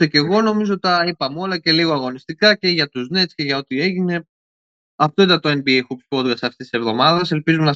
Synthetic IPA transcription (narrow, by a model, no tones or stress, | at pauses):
ece̞ɣo̞no̞mizoot̪ɐipɐmo̞lɐce̞liɣoɐɣo̞nist̪ikɐce̞ʝɐt̪uznesce̞ʝɐo̞t̪ie̞ʝine̞ | ɐft̪o̞it̪ɐnt̪o̞enbiexupspod̪ɡɐsɐft̪esise̞vðo̞mɐðɐse̞lpizumnɐ